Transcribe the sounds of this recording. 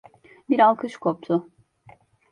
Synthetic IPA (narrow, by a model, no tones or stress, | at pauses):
biɾalˠkʰɯʃkʰop̚t̪ʰʊ